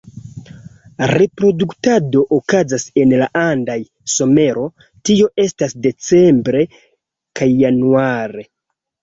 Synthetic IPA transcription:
ɾe̞pɾo̞duktado̞ʔokazase̞nlaʔandaj | so̞me̞ɾo̞ | tio̞ʔe̞stasde̞t͡se̞mbɾe̞ | kajːanuaɾe̞

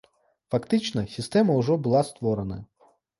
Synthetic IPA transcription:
fɐkt̪ɪt͡ʃnɐsʲist̪ɛmɐʊʒɔbʊlˠɑst̪ʋɔɾenɐ̰

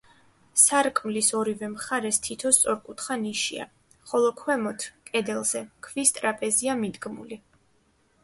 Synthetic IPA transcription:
saɾkʼmlisɔɾivɛmχaɾɛst̪ʰit̪ʰɔst̪sʼɔɾkʼut̪χaniʃḭa̰ | χɔlˠɔkʰwɛmɔt̪ʰkʼɛd̪ɛlˠz̥ɛkʰvist̪ʼɾapʼɛziamid̪ɡmṵli

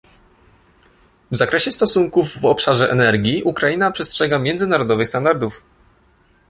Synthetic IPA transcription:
vzakɾɛɕɛst̪ɔsuŋkuvːɔpʂaʐɛʔɛnɛɾɡʲiʔukɾainapʂɛstʂɛɡamʲjɛnd̪zɘnaɾɔd̪ɔvɘxst̪and̪aɾd̪uf

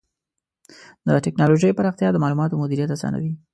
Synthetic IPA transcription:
d̪əʈɪknɑloʒəjpaɾɑxt̪jɑd̪əmɑlumɑt̪omʊd̪iɾijat̪asɑ̰na̰wi

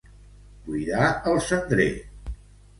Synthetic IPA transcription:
buiðaəlˠsənd̪ɾe

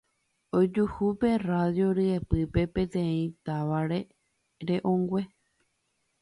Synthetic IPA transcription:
od͡ʒuhupe̞raðjo̞ɾɨepɨpe̞pẽ̞t̪ẽ̞ĩt̪aʋaɾe̞ | ɾe̞ʔõŋɡwʷe̞

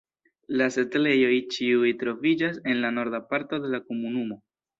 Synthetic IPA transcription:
laset̪le̞jo̞jt͡ʃiujtɾo̞vid͡ʒase̞nlano̞ɾdapaɾto̞de̞lako̞munumo̞

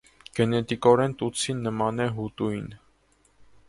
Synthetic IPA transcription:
ɡ̥ɛnɛt̪ikɔɾɛnt̪ut͡sʰinːəmɑnɛɦut̪ujn

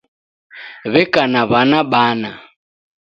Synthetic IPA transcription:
βɛkanaβanaɓana

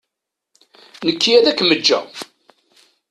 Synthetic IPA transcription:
nəkːiæðækːməd͡ʒːæ̰

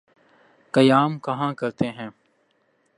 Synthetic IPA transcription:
kɐjaːmkɐɦãkɐɾt̪eɦɛ̃ː

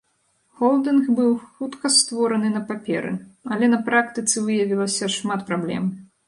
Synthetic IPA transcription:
xɔlˠd̪ɨnxbɨwxut̪kɐst̪vɔɾɐnɨnɐpapʲɛ̰ɾɨ̰ɐlʲɛnɐpɾakt̪ɨt̪sɨvɨjɐvʲilˠɐsʲɐʂmat̪pɾablʲɛ̰m

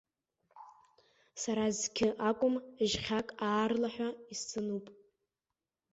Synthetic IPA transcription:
saɾazkʲʰɪʔakʷʼʊmʒχʲakʼaːrlaħʷᶣaist͡sʰʼɨnupʼ

